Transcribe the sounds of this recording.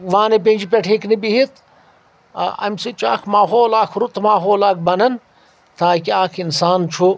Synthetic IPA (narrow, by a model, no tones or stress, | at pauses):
ʋãːnep̬ẽːd͡ʒipʲeʈʰeknibiɦit̪ | ʔɐ̰msit͡ʃa̰ːkʰmaːɦoːlaːkʰɾut̪maːɦoːlaːkʰbɐnɐn | t̪ʰaːkiaːkʰinsaːnt͡ʃʰo